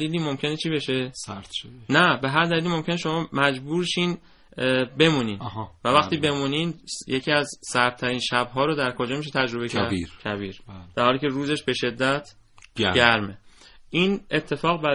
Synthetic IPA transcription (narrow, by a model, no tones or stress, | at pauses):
liːliːmomcʰenet͡ʃʰiːbe̞ʃesæt̪næbe̞ɦæɾd̪æliːliːmo̞mcʰeneʃo̞mɒːmæd͡ʒbuːɾʃiːn | be̞muniːnvævæxt̪iːbe̞muːniːnjecʰiːæzsæɾt̪ʰːæɾiːnʃæbɦɒːɾod̪æɾkʰod͡ʒɒːmiʃ̬et̪ʰæd͡ʒɾo̞be̞æɾcʰæbiːɾd̪æɾhɒːliːcʰe̞ɾuːze̞ʃbe̞ʃe̞d̪ːæt̪ʰ | ɡæɾmeʔiːnet̪ʰːe̞fɒːɣbæ